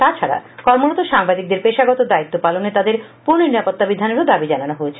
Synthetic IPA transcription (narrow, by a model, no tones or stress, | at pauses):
t̪at͡ɕʰaɾa̰kɔɾmonot̪oʃaŋbad̪ik̚d̪eɾpeʃaɡɔt̪od̪ait̪ːopalonet̪ad̪eɾpuɾniniɾapot̪ːabid̪ʱanoɾod̪abid͡ʑananoɦoet͡ɕʰe